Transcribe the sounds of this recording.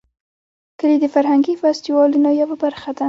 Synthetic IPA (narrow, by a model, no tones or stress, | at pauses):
kəled̪əfaɾhaŋɡifast̪iwɑlunajawabaɾxad̪a